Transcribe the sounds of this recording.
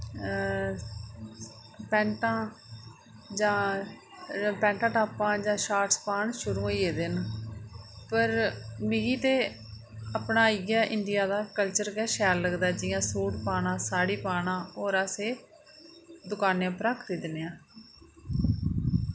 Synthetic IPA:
pɛ̃ːɳʈãː | d͡ʒãː | pɛ̃ːɳʈãːʈaːpãːd͡ʒãːʃaːʈspaːɳʃʊɾũːoiːeːd̪ɪn | pəɾmɪɡiːt̪eː | əpɳaːiɡaːʔɪɳɖɪjaːd̪aːkəlt͡ʃəɾkɛːʃɛːlləɡd̪aːd͡ʒɪjãːsuːʈpaːɽãːsaːɽiːpaːɳãːoːɾaːseː | d̪ʊkaːnjãːpəɾaːkʰt̪iːd̪ɪnːejãː

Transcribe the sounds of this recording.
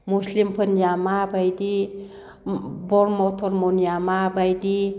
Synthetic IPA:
muslimpʰənjamabajdi | bɔɾmɔtʰɔɾmɔnjamabajdi

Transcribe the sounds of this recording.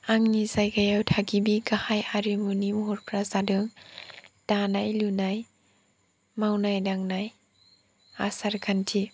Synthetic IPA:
aŋnizajɡajawtʰaɡibiɡahajaɾimunimuɦuɾpɾazadɯŋ | d̥anajlunaj | mawnajdaŋnaj | asaɾɡʰantʰi

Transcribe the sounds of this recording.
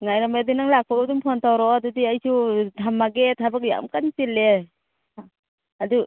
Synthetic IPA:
ŋajɾamadinaŋlak̚ʰɔdumpʰɔntʰawɾɔdudiajsutʰamːaɡet̚hʰabak̚ja̰ʔmkansilːe | adu

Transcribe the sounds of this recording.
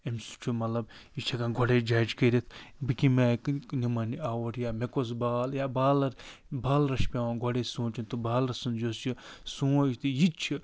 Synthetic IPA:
emsu̥t͡ʃʰumɐlɐbjit͡ʃʰɐkãːɡʱoɽed͡ʒaːd͡ʒkeɾʲit̪ʰbikimaknimɐniaːwoɾjaːmekos̬baːljaːbaːlɐɾbaːlɾɐʃpʲaːwãːɡʱoɽesũːt͡ʃint̪ubaːlɾɐsund͡ʒost͡ʃisuːit̪ʰijit͡ʃʰi

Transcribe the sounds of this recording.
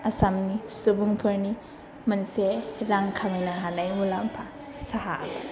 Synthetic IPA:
asamnisubuŋpʰɯɾni | mɐnseɾaŋkʰaminaɦanajmulampʰa | saɦapʰa

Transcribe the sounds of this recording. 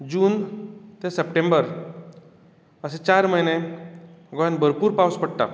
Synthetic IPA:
d͡ʑuːnt̪esəpʈembəɾ | əset͡ɕaɾməjne | ɡojanbʱəɾpuːɾpawspəɽʈ̪a̰

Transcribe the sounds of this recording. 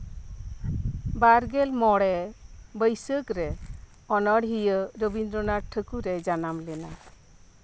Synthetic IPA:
baɾɡɛlmɔɽɛbəjsəkɾɛ | ɔnɔɽɦijəɾəbind̪ɾɔnaʈʰəkuɾɛd͡ʒanamlɛna

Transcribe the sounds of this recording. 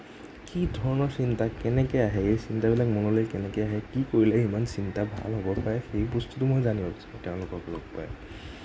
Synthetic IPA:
kidʱɔɹɔnɔsintakɛnɛkɔjaɦɛejsintabilakmonolojkɛnɛkɔjaɦɛkikoɹilɛimansintabʱa̰lɦobɔpaɹɛxebustutumojzaniɔstɛʊ̃lʊkɔklo̰ɡpa̰ɹɛ

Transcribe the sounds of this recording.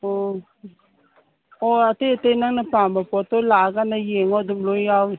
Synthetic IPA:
o | oat̪et̪enaŋnapambapot̪olaɡanajeŋod̪umlojaw

